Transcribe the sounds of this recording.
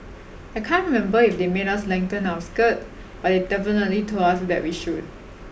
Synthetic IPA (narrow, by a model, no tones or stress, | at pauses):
ajkʰãnɹimɛ̃mbəifdemeɾaslɛ̃ŋtə̃nawskət̚ | b̥at̚ɪdɛfənətlitʰoasd̪ɛ̰ʔ̚wiʃud̚